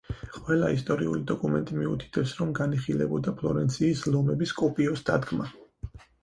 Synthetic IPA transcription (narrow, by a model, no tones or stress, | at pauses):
qʼwɛlˠaist̪ʼɔɾiṵlid̪ɔkʼumɛnt̪ʼimiut̪ʰi̥t̪ʰɛpsɾɔmɡaniχilɛ̰bɔd̪apʰlˠɔɾɛnt̪sʰiːslɔmɛbiskʼɔpʼiɔsd̪ad̪ɡma